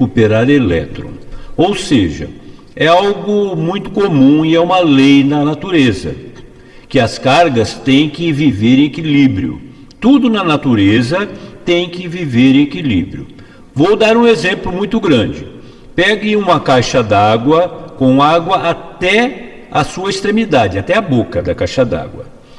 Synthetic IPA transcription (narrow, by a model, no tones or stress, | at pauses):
kupeɾaɾelɛ̰t̪ɾõ̰owsḛʒɐ̰ | ɛawɡʊmũj̃t̪ʊ̥komũiɛũmɐlejnɐnat̪uɾezɐ̰ | kɪɐskaɾɡɐst̪ẽj̃kɪviveɾẽekilibɾiʊ̰ | t̪ud̪ʊnɐnat̪uɾezɐt̪ẽj̃kɪviveɾ̃ekilḭbɾiʊ | vowd̪aɾũezẽmplʊmũj̃t̪ʊɡɾɐ̃d͡ʒɪ | pɛɡɪ̃ũmɐkajʃɐd̪aɡwɐkõw̃aɡwɐʔat̪ɛ | ɐsuɐest̪ɾẽmid̪ad͡ʒɪat̪ɛɐbokɐd̪ɐkajʃɐd̪a̰ɡwɐ̰